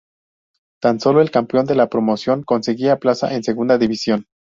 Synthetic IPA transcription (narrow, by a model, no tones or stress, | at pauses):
t̪anso̞lo̞e̞lkampjo̞nd̪e̞lapɾo̞mo̞sjo̞ŋko̞nse̞ɣiaplasa̰ʔe̞nse̞ɣund̪aðiβisjo̞n